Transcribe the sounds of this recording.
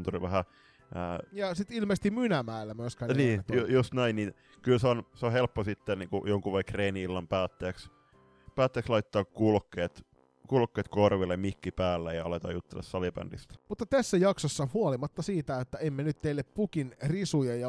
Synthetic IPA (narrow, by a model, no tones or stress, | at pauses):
nt̪ulḭʋæhæ | əːjɑsit̪ilmest̪imynæmæˑelːæmyøskæːnniːet̪ojost̪næinnin | kylseonseohelpːosit̪ːenniːŋkṵjoŋkuʋekreːniilːɑmpæːt̪ːeːks | pæːt̪ːeæːkslɑit̪ːɑːkkulkːeːt̪ | kulkːeːt̪korʋilːemmikːipæːlːejɑɑlet̪ɑ̰jut̪ːḛlːɑssɑlipæ̰nd̥ist̪æ̥mut̪ːɑt̪æsːæjɑksosːɑhuolimɑt̪ːɑsiːt̪æet̪ːæemːenyt̪t̪eilːeppukinrisujɑjɑ